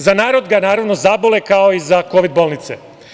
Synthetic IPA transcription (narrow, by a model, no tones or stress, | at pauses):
zanaːɾo̞d̪ɡanaːɾaʋno̞zabolekao̞izako̞ʋid̪̚bo̞ːlˠnit̪sḛ